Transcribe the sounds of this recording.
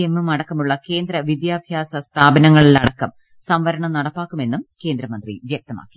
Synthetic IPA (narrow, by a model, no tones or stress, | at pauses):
emːumɐɽɐkːɐmuɭːɐke̞ːnd̪ɾɐʋid̪jaːbʱjaːsɐst̪ʰaːbɐnɐŋːɐɭilnɐɽɐkːɐm | sɐmʋɐɾɐɳɐmnɐɽɐpːaːkːume̞nːumke̞ːnd̪ɾɐmɐnd̪rḭʋjɐk̚t̪ɐma̰ːkːi̥